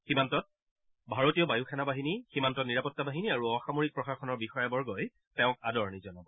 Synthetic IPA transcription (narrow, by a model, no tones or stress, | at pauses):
ximantɔt̚ | bʱaɹotijɔbajukʰɛnabaɦiniximantɔtniɹapɔtːabaɦiniaɹuɔxamoɹik̚pɹɔxaxɔnɔɹbixɔjɛbɔɹɡɔj | tɛʊ̃kadɔɹnizɔnabɔ